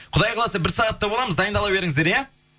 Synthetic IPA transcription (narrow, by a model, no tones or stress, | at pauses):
qʰʊd̪ɑjqʰɑlˠɑsɑbɪɾsɑʁɑt̪ːɑbo̞lˠɑməzd̪ɑjənd̪ɑlˠɑbe̞ɾɪŋɪzd̪eɾja